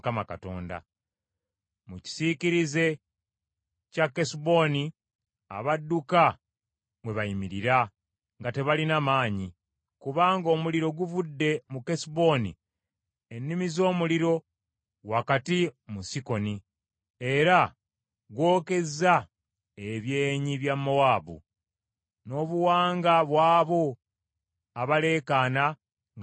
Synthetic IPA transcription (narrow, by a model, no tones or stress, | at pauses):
kamaka̰to̞̰ːnda̰ | muci̥siciɾize̞ | cakːesibo̞ni | a̰βadːuka | mwe̞βajimiɾiɾa | ŋɡate̞βalinamaːɲi | kuβaːŋɡo̞ːmuliɾo̞ɡuvudːe̞muke̞sibo̞nḭ | enːimizo̞ːmuliɾo̞ | wakatimusiko̞ni | e̞ɾa | ɡwo̞ːke̞za | eβje̞ːɲiβjamːo̞waːbṵ | no̞ːβuwaːŋɡaβwaːβo̞ | aβale̞ːkaːna